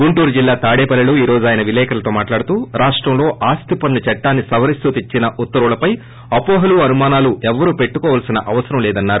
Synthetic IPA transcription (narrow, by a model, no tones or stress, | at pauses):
ɡuɳʈuːɾd͡ʒilːaːt̪aːɽɛːpɐlːɐluiːɾo̞ːd͡ʒaːjɐnɐʋilɛːkɐlɐt̪o̞ːmaːʈlaːɽut̪uːɾaːʂʈɾɐmlo̞ːʔaːst̪ipɐnːut͡ʃɐʈːaːnːisɐʋɐɾist̪ut̪it͡ʃːinɐʔut̪ːɐɾuɭɐpɐj | ɐpɔːɦɐluːɐnumaːnaːluʔɛʋːɐɾuːpe̞ʈːukɔːʋaːlsinɐʔɐʋɐsɐɾɐmlɛːd̪ɐnːaːɾu